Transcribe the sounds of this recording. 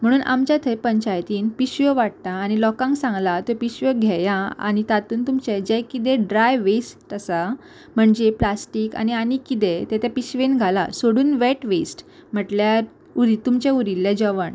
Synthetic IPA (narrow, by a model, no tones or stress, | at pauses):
m̤əɽ̃uːnʔa̰mt͡ɕjat̪ʰəjpəɲt͡ɕajt̪iːnpiɕʋəʋaʈ̚t̪aːñilɔkãŋksãŋɡlat̪opiɕʋəɡʱɛjãa̰ñit̪at̪uːnt̪umt͡ɕed͡ʑɛjkit̪̬eɖɾajʋes | əsa | m̤əɳd͡ʑeplasʈiːka̰nianikit̪̬et̪ɛt̪ʰjapiɕʋenɡʱala̰soɽuːnʋeʈʋesʈm̤əʈljaɾ | uɾit̪umt͡ɕeuɾilːjad͡ʑəʋəɳ